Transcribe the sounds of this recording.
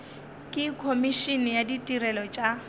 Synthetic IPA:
kʼɪkʰomiʃinɪjaditʼirɛlɔt͡ʃʼa

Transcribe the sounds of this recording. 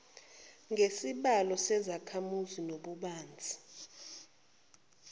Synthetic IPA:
ŋʱesiɓalɔsɛzakʰamuzinoɓuɓaːnd͡zʱi̥

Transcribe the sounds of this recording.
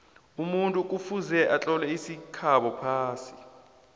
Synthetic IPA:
umuntʼuk̬ʼufuzɛʔat͡ɬʼɔlɛisikʰaɓɔpʰaːsi̥

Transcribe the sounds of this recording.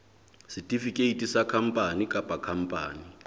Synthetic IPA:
sitʼifikʼeitʼisakʰam̩pʼanikʼapʼakʰam̩pʼaːni

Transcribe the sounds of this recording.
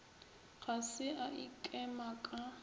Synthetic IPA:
ɣasɪʔaʔikʼɛmakʼa

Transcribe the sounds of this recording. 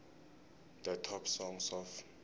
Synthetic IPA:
dətʰɔpsɔŋsɔf

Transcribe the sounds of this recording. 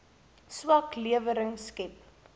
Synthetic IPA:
swɐkliəvəɾəŋskɛp̚

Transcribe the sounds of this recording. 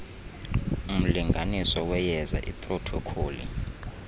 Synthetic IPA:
um̩liŋɡʱanisɔwɛjɛza̰ʔipʼrɔtʰɔkʰoːlḭ

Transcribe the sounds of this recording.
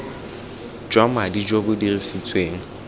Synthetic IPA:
d͡ʒwamadid͡ʒobʊdirisit͡sʼweːŋ̩

